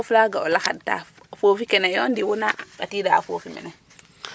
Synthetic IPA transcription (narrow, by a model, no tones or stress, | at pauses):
flaɡaolaxadta̰ | fofikɛnejondiwunakatiːdaa̰fofimḛnɛ